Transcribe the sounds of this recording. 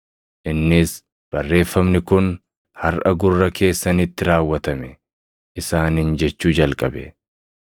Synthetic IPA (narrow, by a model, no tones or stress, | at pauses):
ʔɪnːɪs | b̥ɐrːe̞ːfːɐmnɪkʊn | hɐɾʔɐ̰ɡʊrːɐkʰe̞ːsːɐnɪt̪ːɪɾaːwːɐt̪ɐmɛ | ʔɪsaːnɪnd͡ʒɛt͡ʃːuːd͡ʒɐlkʼɐbɛ